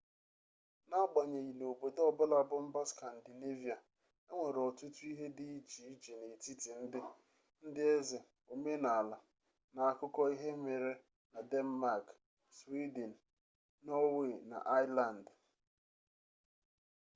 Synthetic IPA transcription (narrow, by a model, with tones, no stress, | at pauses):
na˦ɡ͡ba˨ɲe˨ji˨no˨be˨dɔ˦bʊ˦la˦bʊ˦m̩˦ba˦ska˨n̩˨dɪ˨ne˦vi˨a˨ | e˦ŋʷe˨ɾɔ˨tu˦tu˦i˦ɦe˦dɪ˦i˦t͡ʃi˨i˦t͡ʃi˨ne˨ti˦ti˨n̩˦dɪ˦ | n̩˦dɪ˦e˦zɪ˨ | o˨me˦na˨a˨la˨ | na˨a˨kʊ˦kɔ˦i˦ɦe˦me˨ɾe˦ | na˨dɛ˦nma˦˨k | swi˦de˨n̩˨ | nɔ˦we˦˨na̰˨ʔa˦ɪ˦la˨n̩˨d